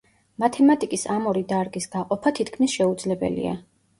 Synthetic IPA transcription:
mat̪ʰɛmat̪ʼikʼisamɔɾid̪aɾɡʼisɡ̥aqʼɔpʰat̪ʰit̪ʰkʰmisʃɛud̪zlɛbɛ̰lḭa̰

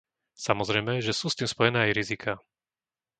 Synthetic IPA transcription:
samɔzɾɛjmɛʒɛsuːst̪iːmspɔjɛnɛːajɾizikʰaː

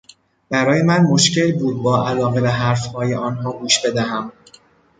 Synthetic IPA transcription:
b̥æɾɒːje̞mænmo̞ʃce̞lbuːd̪̚bɒːʔælɒːɣevæɦæɾfhɒːjeʔɒːnɦɒːɡuːʃbe̞d̪æɦæm

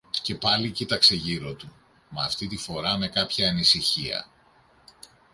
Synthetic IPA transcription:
ce̞pɐlicit̪ɐkse̞ʝiɾo̞t̪u | mɐːft̪it̪ifo̞ɾɐme̞kɐpçɐːnisiçiɐ̰

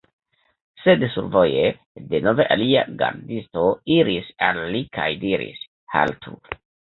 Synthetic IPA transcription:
sedsuɾvoje | denoveʔalia̰ɡa̰ɾdisto̞iɾisalːikʰajdiɾḭs | ha̰ltʰu

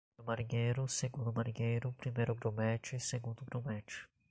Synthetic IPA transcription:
ʊmaɾĩɲejɾʊseɡũd̪ʊmaɾĩɲejɾʊpɾimejɾʊɡɾomɛt͡ʃɪseɡũnd̪ʊɡɾõmɛt͡ʃɪ̥

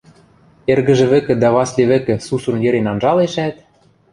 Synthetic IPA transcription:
erɣɘ̆ʒɘ̆βɘ̆kɘ̆d̪ɑβɑslʲeβɘ̆kɘ̆susɤ̆njɘ̆ɾenɑnʒɑleʃæt̪̚

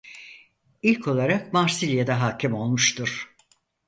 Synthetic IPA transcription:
ilʲcʰo̞lˠaɾakmaɾsilʲjad̪aɦaːcʰimo̞lˠmuʃt̪ʰuɾ̥

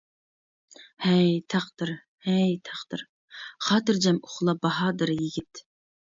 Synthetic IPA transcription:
hɛjt̪ʰɑqd̪ɨɾ | hɛjt̪ʰɑqd̪̥ɨɾ | χɑːt̪ɨɾd͡ʒɛmoχlˠɑbɑɦɑːd̪ɨɾjiɡʲit̪

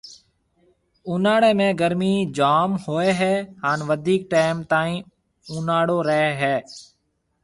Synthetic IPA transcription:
uːnaːɽeːmẽːɡəɾmiːd͡ʒaːmhoːeːɦɛːɦaːnʋəd̪ʱiːk̚ʈaːɪmt̪aːĩː | uːnaːɽoːɾəɦeːɦɛː

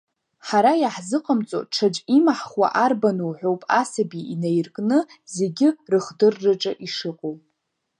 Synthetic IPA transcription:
ħaɾajaħzɨqʼəmt͡sʼo̰ʈ͡ʂʰad͡ʒʼimaħχwa̰ʔarbanuwħʷᶣowpʼasabiinajrkʼnɨze̞ɡʲɪrɨχdɨrːɨʈ͡ʂʼaʔiʂɨqʼowpʼ

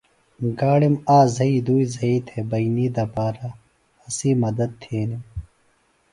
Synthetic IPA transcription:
ɡaːɽimaːzɐid̪uːizɐiːt̪ʰebɐiniːd̪ɐpaːɾa | ɐsiːmɐd̪ɐd̪̚t̪ʰeːnim

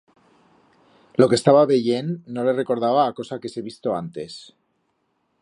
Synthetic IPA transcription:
lo̞kest̪aβaβe̞ʝe̞nːo̞le̞re̞ko̞ɾð̞aβaːko̞sake̞se̞β̞ist̪o̞a̰nt̪e̞s

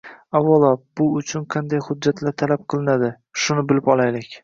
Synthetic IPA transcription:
awːɑlˠɒb̥ʊʊt͡ʃʰʊnqʰɑnd̪ajhʊd̪̚ːat̪laɾt̪ʰalap̚qʰɨlˠɪnad̪ɪ | ʃʊnɪbɪlɪpɒlˠajlɪkʲ

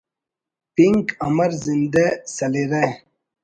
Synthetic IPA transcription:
piŋkɐmɐɾzind̪esɐliɾe

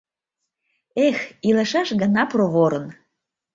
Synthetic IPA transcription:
exiləʃɑʃɣənɑproβoɾən

